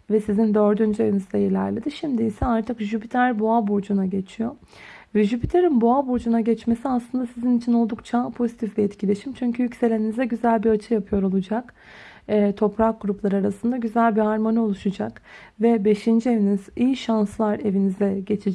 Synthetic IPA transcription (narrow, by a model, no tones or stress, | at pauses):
vɛsizind̪ø̞ɾd̪ynd͡ʒye̞vinizd̪ɛjelʲæ̰ɾlʲed̪iʃimd̪iːsɛaɾt̪ʰɯkʒypʰit̪ʰæɾboabuɾd͡ʒunaɟe̞t͡ʃʰijo̞ | vɛʒypit̪ʰeɾinboabuɾd͡ʒunaɟɛt͡ʃme̞siaslˠɯnd̪asizinit͡ʃʰino̞lˠd̪ukt͡ʃʰapʰo̞zit̪ʰiflʲiɛt̪cʰilʲe̞ʃimt͡ʃʰyɲcʰyjycse̞lʲe̞ninizd̪ɛɟyzælʲbiat͡ʃʰɯjapʰɯjo̞ɾo̞lˠud͡ʒak | ɛːt̪ʰo̞pɾak̚ɡuɾuplˠaɾɯaɾasɯnd̪aɟyzælʲbihaɾmo̞nio̞lˠuʃud͡ʒak | vɛbe̞ʃind͡ʒievinizijiʃanslˠaɾe̞vinizd̪ɛɟe̞t͡ʃʰid͡ʒ